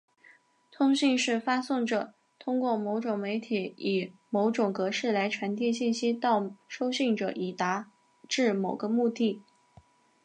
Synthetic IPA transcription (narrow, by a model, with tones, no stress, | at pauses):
t̪ʰʊ˥ŋɕi˥˧ŋʂɻ̩˥˩fa˥sʊ˥˩ŋʈ͡ʂɤ˨˩˦ | t̪ʰʊ˥ŋkwɔ˥˩mo˧˥ʊʈ͡ʂʊ˨˩ŋme˧˥ɪt̪ʰi˨˧˥i˨˩mo˧˥ʊʈ͡ʂʊ˨˩ŋkɤ˧˥ʂɻ̩˥˩la˧˥ɪʈ͡ʂʰwa˧˥nt̪jɛ˥˧ɕi˥˩nɕi˥t̪ɑ˥˩ʊʂo˥ʊɕi˥˩ŋʈ͡ʂɤ˨˩ʔi˨˩t̪a˧˥ | ʈ͡ʂɻ̩˥˩mo˨˩ʊɡə˦mu˥˧t̪i˥˩